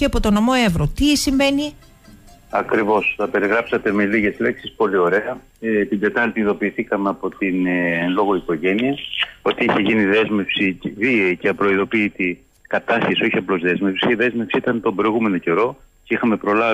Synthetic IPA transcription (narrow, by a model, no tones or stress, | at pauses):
ceɐpot̪onomo̞evɾot̪isiɱve̞ni | ɐkɾivo̞sθɐpe̞ɾiɣɾɐpsɐt̪e̞meliʝe̞zle̞ksispo̞lio̞ɾe̞ɐ | t̪id̪e̞t̪ɐɾt̪iiðo̞piːθikɐmeɐpo̞t̪inlo̞ɣoiko̞ʝe̞niɐo̞t̪iiçe̞ʝiniðe̞zme̞fsivieiceɐpɾo̞iðo̞piːt̪i | kɐt̪ɐsçesio̞çiɐplo̞zðe̞zmefsi̥ceðe̞zmefsiit̪ɐnt̪o̞bɾo̞iɣume̞no̞ce̞ɾo̞ | ceixɐme̞pɾo̞lɐ